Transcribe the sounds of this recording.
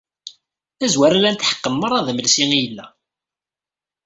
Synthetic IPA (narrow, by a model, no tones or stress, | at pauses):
æzwæɾælænt̪ħə̥qːəmːəɾˤɑðəməlsiŋijəlːæ̰